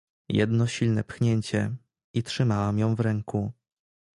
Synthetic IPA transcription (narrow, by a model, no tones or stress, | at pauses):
jɛ̰d̪nɔɕilnɛpxɲeɲt͡ɕɛ | itʂɘmawamjɔ̃w̃vɾɛŋku